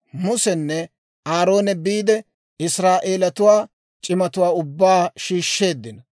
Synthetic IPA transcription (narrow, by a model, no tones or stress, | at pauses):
mʊsɛnːɛ | aːɾo̞ːnɛbiːd̪ɛ | ɪsɾaːʔe̞ːlɐt̪ʊwaː | t͡ʃʼɪmɐt̪ʊwaːʊbːaːʃiːʃːe̞ːd̪ːɪnɐ